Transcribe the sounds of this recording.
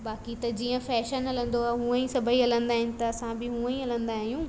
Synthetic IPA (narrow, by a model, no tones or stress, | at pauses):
baːkit̪ɐd͡ʑiːə̃fɛːʃənɐlə̃nd̪oaːɦũːə̃ĩsɐbʱəiɐlə̃nd̪aːɦɪnɪ̆t̪ɐːsãbɪɦũːə̃ĩɐlə̃nd̪aːɦijũː